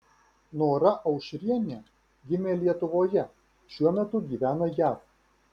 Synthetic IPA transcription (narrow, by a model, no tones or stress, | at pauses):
noːɾɐʔɐʊʃʲɾʲiɛnʲe | ɡʲɪmʲeːlʲiɛt̪ʊʋoːjɛ | ʃʲuɔmʲɛt̪ʊɡʲiːʋʲæːnojæːf